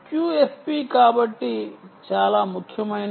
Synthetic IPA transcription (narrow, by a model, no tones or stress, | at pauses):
kjuːespiːkaːbɐʈːit͡ʃaːlaːmukʰjɐmɐin